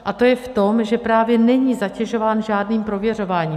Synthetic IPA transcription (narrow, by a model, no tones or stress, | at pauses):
ʔat̪o̞jɛft̪o̞mʒɛpɾaːvjɛnɛɲiːzacɛʒo̞vaːnʒaːdniːmpɾo̞vjɛr̝o̞vaːɲiː